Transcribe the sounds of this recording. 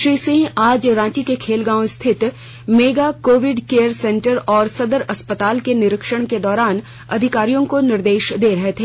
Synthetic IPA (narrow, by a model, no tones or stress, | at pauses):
ʃɾiːsɪ̃ŋɡaːd͡ʒɾãːt͡ʃikekʰeːlɡãːõɪst̪ʰɪt̪ | meːɡakoːʋɪɖkeːjəɾsɛ̃ːɳʈəɾɔːɾsɐd̪əɾɐspət̪aːlkenɪɾɪkʃəɽ̃ked̪ɔːɾaːn | ɐ̰d̪ʱɪkaːɾijõkonɪɾd̪eːʃd̪eːɾɐɦet̪ʰeː